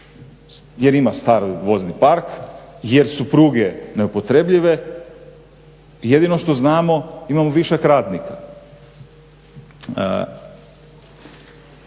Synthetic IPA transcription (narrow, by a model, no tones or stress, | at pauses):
je̞ɾimast̪aːɾojʋo̞znipaɾkje̞ɾsupɾuɡene̞upo̞t̪ɾe̞bʎiʋe̞ | je̞d̪inoʃt̪o̞znaːmo̞imamoʋiʃekɾaːd̪nika